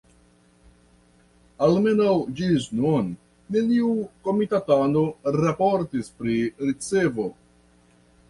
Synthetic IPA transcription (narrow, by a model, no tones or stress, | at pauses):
alme̞nawd͡ʒisnon | neniuko̞mitatano̞ɾapo̞ɾtispɾiɾit͡se̞vo̞